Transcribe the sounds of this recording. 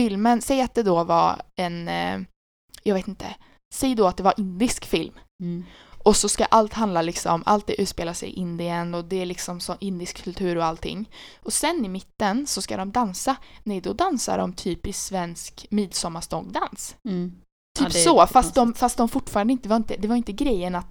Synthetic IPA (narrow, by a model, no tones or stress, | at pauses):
fɪlmənsɛjːat̪̚d̪ɛd̪ɔva̰ɾɛn | jɑɡveːt̪ɪnt̪ʰə̰ | sɛjd̪ɔat̪̚d̪ɛvaɾʔɪnd̪ɪskfɪlm | ʔɔsɔska̰ʔalt̪hand̪lalɪksɔ̰mɔmʔa̰lt̪̚d̪ɛʔʉ̟ːt̪speːlasɛ̰jʔɪnd̪ɪənɔd̪ɛæɭɪksɔmsɔnʔɪnd̪ɪskʰːɵlt̪ʰʉ̟ːɾɔalt̪ʰːɪ̰ŋːɔsɛnːɪmɪt̪ːənsɔska̰d̪ɔmd̪ansanɛjd̪ɔd̪ansa̰ɖɔ̰mt̪ʰyːpɪsvɛnskmiːd̪sɔmːaʂt̪ɔŋd̪ans | t̪ʰyːpsɔfast̪d̪ɔmfast̪d̪ɔmfʊʈːfɑːɾand̪ɪnt̪əɛvaɾɪnt̪əd̪ɛvaɾɪnt̪əɡɾɛjːənat̪